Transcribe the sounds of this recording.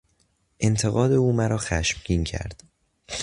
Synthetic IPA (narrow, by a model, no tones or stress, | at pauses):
ʔe̞nt̪ʰe̞ɣɒːd̪e̞uːmæɾɒːxæʃmɟiːncʰæ̰ɾd̪̥